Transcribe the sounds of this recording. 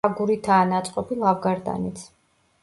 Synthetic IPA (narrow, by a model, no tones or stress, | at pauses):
aɡuɾit̪ʰaːnat̪sʼqʼɔbilˠavɡaɾd̪a̰nit̪sʰ